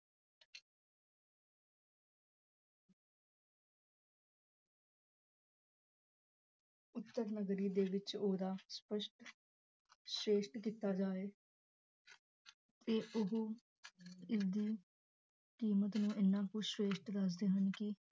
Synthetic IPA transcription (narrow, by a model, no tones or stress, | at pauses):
ʊt̪ːəɾnəɡɾiːd̪eːʋɪt͡ʃoːd̪aːspəʃʈ | sɾeːʃʈkit̪aːd͡ʒaːeː | t̪eːʔʊɦoː | ɪsd̪iː | kiːmət̪nũːʔɪnːãːkʊʃweːʃʈd̪əs̬d̪eːɦənkɪ